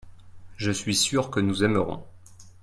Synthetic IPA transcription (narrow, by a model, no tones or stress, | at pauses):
ʒəsɥisyʁkənuzɛməʁɔ̰̃